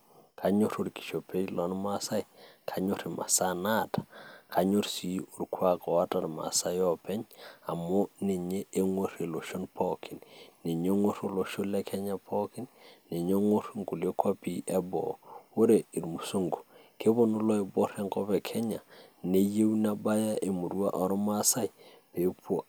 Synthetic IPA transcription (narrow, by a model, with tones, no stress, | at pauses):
kʰa˨ɲo˦ɾo˨ɾki̥˨ʃo˨pe˦jlɔ˨˦nma˦sa˦jkʰa˨ɲo˦ɾi˨mʔa̰˨sana˦tḁ˨kʰa˨ɲo˦ɾsi˨u˨ɾkʰwa˦kɔ˨wa˦ta˨ɾma̰˨sa˦jɔ˦pɛ˦ɲa˨mo˦ne˨ɲeː˦ŋwo˦ɾe˨lo˨ʃo˦npʰɔki˨nːe˨ɲe˦ŋwo˦ɾo˦lo˨ʃo˦lɛ˦kʰɛ˦ɲa˦pʰɔ˦kɪ˦nːe˨ɲe˦ŋwo˦ɾŋku˨lo˦kwa˦pi˦ʔɛ˦bɔ̰˨wo˦ɾe˨i˨ɾmu˨so˦ŋɡu̥˨ke˦bo˦no˦lɔ˦e˨bo˦ɾe˦ŋkɔ˦bɛ˨kʰɛ˦ɲa˨ne˦je˦wna˦ba˦ja˦ʔe˨mu˨ɾu˦a̰˦ʔɔ˦ɾma˦sa˦j | pe˨po˦